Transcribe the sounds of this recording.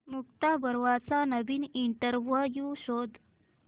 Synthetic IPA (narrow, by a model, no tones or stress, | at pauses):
muk̚t̪abəɾʋat͡sanəbiːniɳʈəɾʋuəjuɕod̪